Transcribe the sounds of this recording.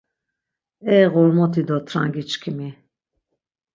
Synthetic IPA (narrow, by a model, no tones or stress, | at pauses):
ɛʁɔɾmɔt̪ʰid̪ɔt̪ʰɾa̰ŋɡit͡ʃkʰimi